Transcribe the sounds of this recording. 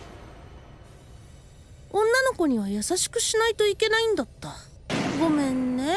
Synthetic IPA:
õ̞nːano̞ko̞ɲ̟iβajasaɕi̥kɯ̟̥ɕinait̪o̞ike̞naĩnd̪at̪ːa | ɡo̞mẽ̞nːe̞

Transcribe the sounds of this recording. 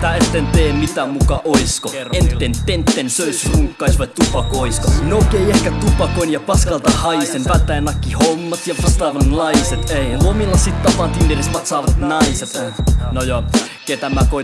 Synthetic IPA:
t̪æet̪ːent̪eːmit̪æmukɑʔoiskoenːent̪ent̪ːensøisruŋkːɑisʋɑt̪upɑkoiskonokeiehkæt̪upɑkoinjɑpɑskɑlt̪ɑhɑisenʋæt̪ːæenɑkːihomːɑt̪jɑpɑst̪ɑːʋɑnnɑiset̪eilomilːɑsit̪t̪ɑpɑnt̪ind̪irest̪mɑt̪sɑːʋɑt̪nɑiset̪nojɑ | ket̪æmækoi

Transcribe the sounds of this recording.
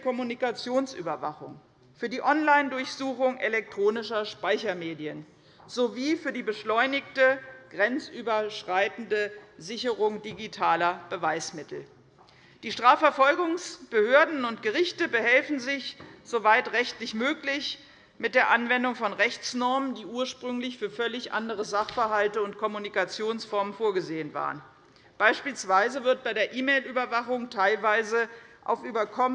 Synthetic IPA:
kʰɔmunikat͡sjoːnsʔy̰ːbɐva̰χʊŋ | fyːɐdiːʔɔnlaɪndʊɐçz̥uːxʊŋʔelɛk̚tʁ̥oːnɪʃɐʃpaɪçɐmeːdiən | zoviːfyːɐdiːbəʃlɔʏnɪktəɡ̥ʁɛnt͡sʔyːbɐʃʁ̥aɪtn̩dəzɪçəʁʊŋdiɡitʰaːlɐb̥əvaɪsmɪtʰl̩ | d̥iːʃtʁ̥aːfɛɐfɔlɡʊŋsb̥əhøːɐdn̩ʊntɡ̥əʁɪçtəbəhɛlfn̩zɪçz̥ovaɪtʁɛçtlɪçmøːklɪç | mɪt̚d̥eːɐʔanvɛndʊŋfɔnʁɛçt͡snɔɐməndiːʔuːɐʃpʁ̥ʏŋlɪçfyːɐfœlɪçʔa̰ndəʁəzaχfɛɐɦaltəʊntkʰɔmunikat͡sjoːnsfɔɐmənfoːɐɡəzeːənva̰ːʁə̰n | b̥aɪʃpiːlsv̥aɪzəvɪɐt̚b̥aɪɾeːɐʔiːmeɪlyːbɐvaχʊŋtʰaɪlvaɪzəʔa̰ʊfʔyːbɐkʰɔm

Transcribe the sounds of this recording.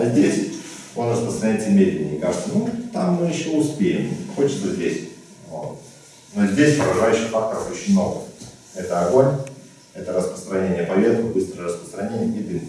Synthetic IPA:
azʲdʲesʲ | o̞nrəspɾəst̪ɾɐnʲɛt̪ʲəlʲmʲed̪lʲɪnʲɪ̰ːka̰ʐɨt̪sənut̪amːɨjɪɕːo̞ʊspʲejɪmxo̞t͡ɕɪ̥t̪səzʲdʲesʲ | vo̰t̪ | no̞zʲdʲesʲpəɾɐʐajʉɕːɪxfak̚t̪əɾəfot͡ɕɪnʲno̞̰və̰j | ɛt̪əɐɡo̞nʲ | ɛt̪əɾəspɾə̥st̪ɾɐnʲenʲɪjəpɐlʲet̪kɨbɨst̪ɾəjəɾəspɾə̥st̪ɾɐnʲenʲɪjʲɪd̪lʲi

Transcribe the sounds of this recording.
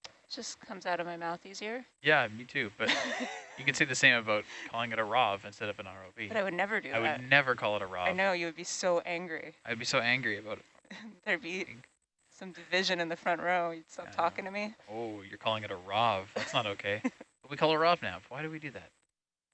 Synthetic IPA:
d̥ʒ̥ʌskʰʌ̃mzaʊɾʌvmaɪmaʊθizjɪɹjæmitʰʉb̥ʌt̚jɨkɨ̃nsiɪðɨsẽɪ̃mɨbaʊt̚kʰɔlˠɪ̃ŋɨɾəɹɑvɨ̃nstɛɾʌvə̃nɑ̰ɹoʊbibʌɾaɪwɨdⁿnɛvə˞dɨaɪwɨdⁿnɛvə˞kʰɔlˠəɾəɹɑ̰aɪnoʊjɨwɨd̚bisoʊʔæ̃ŋɡɹḭaɪwɨd̚bisoʊæ̃ŋɡɹiɨbaʊɾɨt̚ðə˞biɪ̰̃ŋ | sʌ̃mdɨvɪʒɨ̃nɨ̃nðɨfɹʌ̃nʔɹʊ̃ʊ̃mjɨstɑtʰɔkɪ̃ŋtʰɨmioʊjə˞kʰɔlˠɪ̃ŋɨɾəɹɑv̥ðætsnəɾoʊkʰeɪb̥ʌt̚wikʰɔlˠəɹɑvnaʊwaɪɾɨwidɨðæ̰t̚

